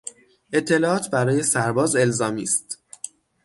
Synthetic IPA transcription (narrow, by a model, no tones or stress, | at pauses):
e̞t̪ʰːe̞lɒːɒːt̪ʰbæɾɒːje̞sæɾbɒːze̞lzɒːmiːst̪